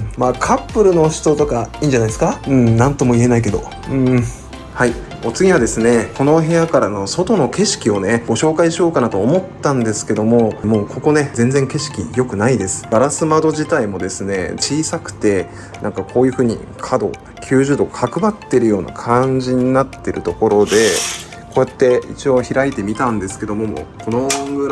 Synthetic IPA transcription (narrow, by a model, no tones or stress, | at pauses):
maːkʰapːɯ̟ɾɯ̟no̞ɕi̥t̪ot̪o̞kaĩːɲd͡ʑanaid̪esɨ̥kaɯ̟̃nãnt̪o̞mo̞ie̞naik̬e̞d̪o̞̰ | ɯ̃ | hai | o̞t͡sɨɡʲiβad̪e̞sɨne̞kʰo̞no̞ɦe̞jakaɾano̞so̞t̪o̞no̞ke̞ɕi̥kʲio̞ne̞ɡ̥o̞ɕo̞ːkaiɕio̞ːkanat̪o̞ːmo̞t̪ːãnd̪e̞sɨ̥ke̞d̪o̞mo̞mo̞ːkʰo̞ko̞ne̞zẽ̞nd͡zẽ̞ŋke̞ɕi̥kʲḭjo̞kɯ̟naid̪e̞sɨ̥b̥aɾasɨmad̪o̞ʑit̪aimo̞d̪e̞sɨne̞̰t͡ɕiːsakɯ̟̥t̪e̞ | nʔãŋkakʰo̞ːjɯ̟ɸɯ̟ːɲ̟ḭ | kʰad̪o̞̰ | kʲʰɨːʑɨːd̪o̞kʰakɯ̟bat̪ːe̞ɾɯ̟jo̞ːna̰kʰãɲd͡ʑiɲ̟inat̪ːe̞ɾɯ̟t̪o̞ko̞ɾo̞d̪e̞ | ko̞ːjat̪ːe̞ḭt͡ɕio̞çiɾait̪e̞mʲit̪ãnd̪e̞sɨ̥ke̞d̪o̞mo̞mo̰ko̞noɡɯɾ